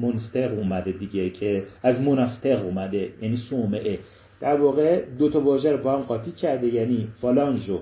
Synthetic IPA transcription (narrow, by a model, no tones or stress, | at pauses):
monst̪eɣuːmæd̪ed̪iɟecʰe̞æzmonɒːst̪eɣuːmæd̪e̞jæːniːsomeʔe | d̪̥æɾvɒːɣe̞d̪ot̪ʰɒbɒːʒæɾobɒhæmɢɒːt̪ʰiːcʰæɾd̪ejæːniːfɒlɒnʒo